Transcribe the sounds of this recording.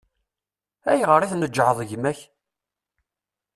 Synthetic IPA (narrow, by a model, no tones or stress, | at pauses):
æjʁəɾˤiθnəd͡ʒːʕəðˤʝmæç